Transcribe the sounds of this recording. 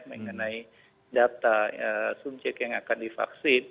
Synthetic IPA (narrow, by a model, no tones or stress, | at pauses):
məŋənai | dat̪aəsub̚d͡ʒɛk̚t̪jaŋakandifa̰ksɪn